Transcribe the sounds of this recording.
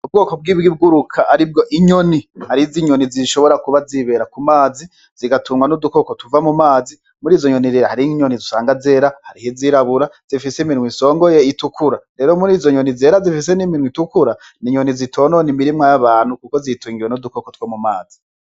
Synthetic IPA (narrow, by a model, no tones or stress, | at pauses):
ub̚ɡo̞ːko̞b̚ɡiːβɡibɡuɾukʰaʔaɾib̚ɡo̞ʔiɲo̞nihaɾiziɲo̞niziʃo̞βo̞ɾakuβaziβe̞ɾakumaːzi | ziɡatuːŋwanudukokotuvamumaːzi | muɾiːzo̞ɲo̞niɾeɾahaɾiɲonizusaːŋɡaze̞ːɾahaɾihiziɾaβuɾaz̥ifisiminwiso̞ːŋɡo̞je̞itukʰuɾaɾe̞ːɾo̞muɾiːzo̞ɲo̞nize̞ːɾazifis̬e̞niminwitukuɾa | niɲo̞nizitʰo̞ːnonimiɾimŋajaβaːn̥hukuko̞zituːŋɡiwenudukokotwomumaːzi